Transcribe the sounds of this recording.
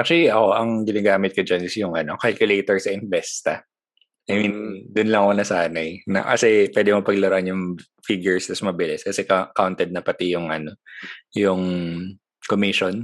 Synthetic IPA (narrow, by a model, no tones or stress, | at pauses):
ak̚t͡ʃoliʔɐko̞ʔɐŋɡɪnɐɡaːmɪt̪̚kɐd͡ʒɐnɪsjʊŋɐno̞kalkjʊlejt̪ɔɹsɐʔɪnbɛst̪ɐ | ʔɐjmind̪ʊnlɐŋkonɐsaːnɐjnɐ̰kɐ̰sɛpwɛːd̪ɪmopɐɡ̚lɐɾʔɐnjʊŋ | fiɡjʊɹst̪ɐsmɐbɪlɪskɐsɛkkawnt̪ɛd̪̚nɐpɐt̪ɪjʊŋʔɐno̞jʊŋ | komɪʃon